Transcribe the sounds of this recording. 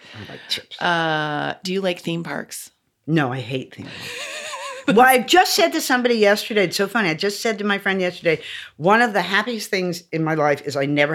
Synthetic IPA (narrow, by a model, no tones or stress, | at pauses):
aɪlla̰ɪk̚t͡ʃʰɪpsʔʌd̥ɨjɨlaɪk̚θĩmpʰɑ̰ɹks | noʊaɪɦeɪt̪̚θḭ̃mʰɑ̰ | wɛlˠaɪvd͡ʒʌstsɛd̚tɨsʌ̃mbɑɾijɛstə˞ɾeɪɨtsoʊfʌ̃niaɪvd͡ʒʌstsɛd̚tɨmaɪfɹɛ̃ndjɛstə˞deɪwʌ̃nʌvðɨɦæpiɨs̚θɪ̃ŋzɨ̃nmaɪlaɪfɨzaɪnɛvə˞